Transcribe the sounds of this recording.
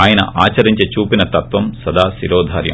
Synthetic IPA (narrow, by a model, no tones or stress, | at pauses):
aːjɐnɐ̰ʔaːt͡ʃɐɾiɲt͡ʃet͡ʃuːpinɐt̪ɐt̪ʋɐmsɐd̪ʱaːsiɾɔːd̪ʱaːɾjɐ̰m